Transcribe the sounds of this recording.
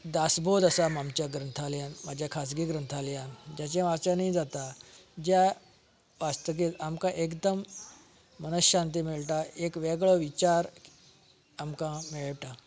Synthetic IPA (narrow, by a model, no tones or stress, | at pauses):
d̪asbod̪əsamamt͡ɕaɡɾənt̪ʰaljãnmad͡ʑʱjakʰasɡiɡɾənt̪ʰaljãnd͡ʑat͡ɕãʋat͡ɕãnid͡zat̪ad͡ʑja | ʋast̪ək̬et̪amkãʔekd̪əmː | ənəsɕant̪̬imiɭʈaekʋɛɡɭɔʋit͡ɕaɾ | amkãmeɭʈa